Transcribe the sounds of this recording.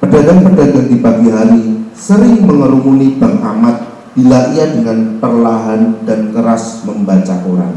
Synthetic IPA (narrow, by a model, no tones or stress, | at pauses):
pədaɡaŋpədaɡaŋdipat̪iɦaɾisəɾɪŋməŋəɾuŋunib̥aŋʔa̰mat̪̚ | b̥ilaʔiadəŋanpərlaɦandankəɾasməmbat͡ʃakoɾa̰ŋ